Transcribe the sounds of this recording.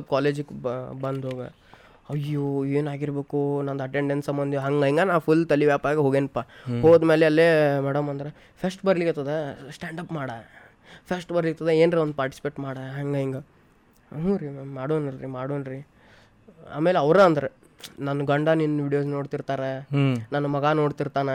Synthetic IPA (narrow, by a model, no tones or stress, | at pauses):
kaːleːd͡ʒukːbɐnd̪ɦoːɡɐ̰ | ɐjːoːeːnaːɡiɾbeːkunɐnd̪ɐʈeɳɖensɐmːɐnd̪iɦɐŋɡɐiŋɡɐnaːpʰult̪ɐliʋjaːpaːɾɡeɦoːɡenpːaɦoːɡd̪meːleɐlːemɛɽɐmɐnd̪ɐɾe | pʰɐsʈbɐɾlikt̪ɐd̪esʈaːɳɖɐpmaːɽɐ | pʰɐsʈbɐɾlikt̪ɐd̪eeːnɾeond̪upaːɾʈi̥si̥peːʈmaːɽɐɦɐŋɡɐiŋɡɐ | ɦuɾimmaːɽonɾɾimaːɽoːnɾi | a̰ːmeːleɐʋɾɐɐnd̪ɐɾe | nɐnːɐɡɐɳɖaninʋiːɽijoːs̬no̞ːɽt̪iɾt̪aːɾenɐnːɐmɐɡanoːɽt̪iɾt̪aːne